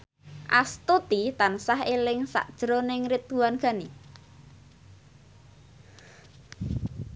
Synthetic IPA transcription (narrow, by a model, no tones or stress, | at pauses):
ʔast̪ut̪it̪ansaɦelɪŋsa̰ʔd̥ʒ̥ɾonɪŋɾit̪̚uwanɡ̥a̤ni